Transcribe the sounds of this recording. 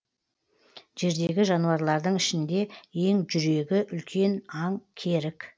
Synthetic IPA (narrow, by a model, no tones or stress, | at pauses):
ʒe̞ɾd̪e̞ɡʲɪʒɑnuɑɾlˠɑɾd̪əɴɪʃɪnd̪e̞e̞ŋʒʏɾe̞ɡʲɪʔʏlkʲʰe̞nɑŋkʲʰe̞ɾɪkʲ